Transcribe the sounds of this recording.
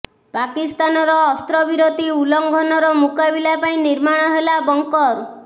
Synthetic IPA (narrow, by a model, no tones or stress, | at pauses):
pakist̪anɔɾɔːst̪ɾɔbiɾot̪iulɔŋɡʱɔnɔɾɔmukabilapaĩniɾmaɽ̃ɔɦelabɔŋkɔɾ